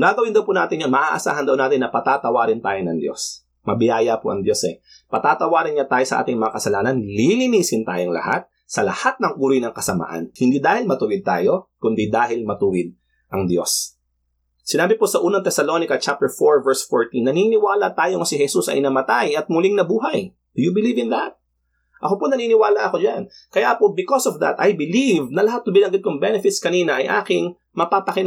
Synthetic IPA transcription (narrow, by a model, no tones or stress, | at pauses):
ɡaːɡɐwɪnd̪ɐwpuːna̰ːt̪ɪnjonmɐʔaʔɐsa̰ːhɐnd̪ɐwnaːt̪ɪnːɐpɐt̪aːt̪ɐwaːɾɪnt̪aːjonɐŋd̪jo̞̰s | mɐbɪjaːjɐpoʔɐŋd̪jo̞sɛ | pɐt̪aːt̪ɐwaːɾɪnɲat̪aːjosɐʔa̰ːt̪ɪŋmɐŋakɐsɐlaːnɐnlilinisɪnt̪a̰ːjoŋlɐ̰ha̰t̪̚ | sɐlɐhat̪̚nɐŋɡʊɾʊjnɐŋkɐsɐma̰ʔɐ̰nhɪnd̪iːd̪aːhɪlmɐt̪ʊwɪd̪̚t̪a̰ːjo̞kʊnd̪id̪aːɦɪlmɐt̪uwɪd̪̚ | ʔɐŋd̪jo̞̰sː | ɪnaːbɪposɐʔuːnɐŋt̪ɛsɐlo̞nɪkɐt͡ʃap̚t̪ɛɹfoɹvɛɹsfoɹt̪inːɐninɪwaːlɐ̰t̪aːjoŋɐsɪɦɛsusɐ̰jʔɪnɐmɐt̪ajɐt̪̚mʊlɪŋnɐbuːɦɐj | d̪ɪjubɪlivɪnlɐhat̪̚ | ʔɐkoponɐniːnɪwaːlɐʔɐko̞d͡ʒan | kɐjapobɪkosovd̪ɐ̰t̪ʔɐjbɪlivnɐlɐhat̪̚ːʊŋbɪnɐŋɡɪd̪̚kʊŋbɛnɛfɪt̪skɐniːnɐʔɐjʔa̰ːkɪŋ | mɐpaːpɐkɪn